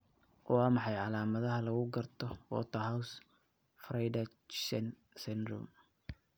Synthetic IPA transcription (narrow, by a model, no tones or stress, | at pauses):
wɑːmɑħɑjʕɑlaːmɐðɐɦɐlɐɣʊɡɐrt̪ʰɔwɔ̰ːt̪ʰɐɦaws | frɐjdɐ | sɛn | sɛnd̪ɾʊ̰m